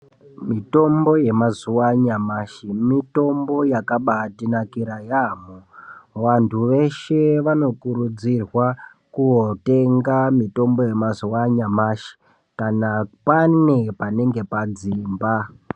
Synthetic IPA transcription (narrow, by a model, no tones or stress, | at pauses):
mito̞mbo̞je̞mazuwaɲamaʃimito̞mbo̞jakaɓatinakiɾajamoʋantʰuʋe̞ʃe̞ʋano̞kuɾud͡zirwa | kuo̞te̞ŋɡamito̞mbo̞je̞mazuwaɲamaʃi̥ | kanapane̞pane̞ŋɡe̞pad͡ziːmba